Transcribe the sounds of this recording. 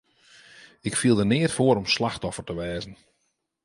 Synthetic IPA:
ɪkfilˠdənɪətfoəɾɔmslaxtɔfərtəʋɛːzn̩

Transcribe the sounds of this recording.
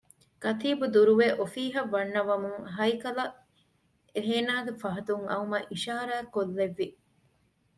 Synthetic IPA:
kɐt̪iːbud̪uɾuʋeʔofiːɦɐʋːɐnːɐʋɐmuŋɦɐjkɐlɐ | eɦeːnaːɡefɐɦɐt̪uŋɐumɐʔiʃaːɾaːkːolːeʋːi

